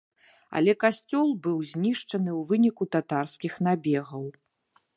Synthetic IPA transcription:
ɐ̰lʲɛkasʲt͡sʲɔlˠbɨwzʲnʲiʂt͡ʂɐnɨwvɨnʲikut̪at̪arskʲixnabʲɛɣɐw

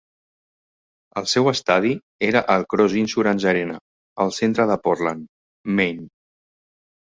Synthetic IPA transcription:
əlˠsɛwəst̪að̞i | eɾəʔəlˠkɾɔzinsuɾənʲʒəɾenə | əlˠsent̪ɾəðəpɔrlan | men

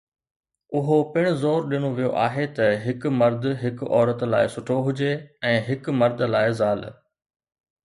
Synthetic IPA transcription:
ʊɦopɪɽ̃ʊ̆zoːɾɗɪñoʋijoʔaːɦet̪ɐɦɪkʊmɐɾd̪ʱɦɪkʊɔːɾət̪la̰ːɪsʊʈʰoɦʊd͡ʑeɛ̃ːɦɪkmɐɾd̪ʱlaːɪzaːl̰

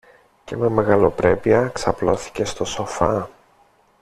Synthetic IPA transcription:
ce̞me̞me̞ɣɐlo̞pɾe̞piɐksɐplo̞̰θi̥ce̞st̪o̞so̞fɐ

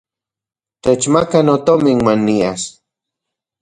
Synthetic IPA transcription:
t̪et͡ʃmakanot̪omiŋmanːias

